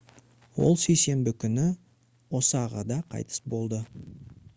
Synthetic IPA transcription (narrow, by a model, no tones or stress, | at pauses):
wo̞̰lˠsejse̞mbɪkʲʰʏnɪ | wo̞səɑʁɑd̪ɑqʰɑ̰jt̪ə̥sbo̞lˠd̪ə